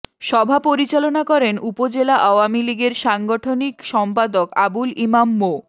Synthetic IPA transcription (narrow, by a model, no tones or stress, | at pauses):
ʃɔbʱapoɾit͡ɕalonakɔɾenupod͡ʑelaʔaoamiliɡeɾʃaŋɡoʈʰonikʃɔmpad̪okabulimamːo